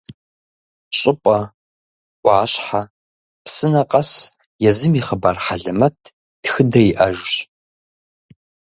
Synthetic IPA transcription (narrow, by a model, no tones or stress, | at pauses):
ɕʼʊpʼɐ | ʔʷʼɑːɕħa | psɨnɐqʼɐs | jɛzɨmiːχəbaːrħaɮɨmɐtʰ | txɨdɐjiʔɐʒɕ